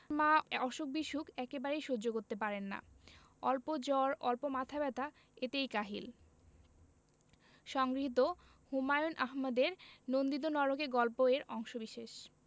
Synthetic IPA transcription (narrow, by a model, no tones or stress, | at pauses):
maɔʃok̚biʃukɛkebaɾejʃod͡ʑokoɾt̪epaɾenːa̰ | ɔlpod͡ʑɔɾɔlpomat̪ʰabɛt̪a | et̪ejkaɦḭl | ʃɔŋɡɾiit̪o | humajonʔaɦmad̪eɾnond̪id̪onɔɾokeɡɔlpoeɾɔŋʃobiʃeʃ